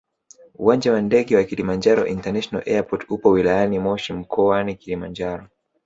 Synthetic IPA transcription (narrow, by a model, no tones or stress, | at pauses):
uwaɲd͡ʒawandɛɠɛwakilimand͡ʒaɾɔ̰ʔintanaʃɔna̰lʔɛapɔtupɔwilajanimɔʃim̩kʰɔwanikilimand͡ʒaɾɔ